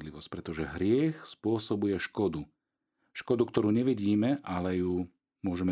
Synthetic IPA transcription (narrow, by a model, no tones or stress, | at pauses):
d̪liʋɔsc̚pɾɛt̪ɔʒɛɦɾɪɛxspʊɔsɔbujɛʃkɔd̪u | ʃkɔd̪ukt̪ɔɾuːɲɛʋiɟiːmɛʔalɛju | mʊɔʒɛm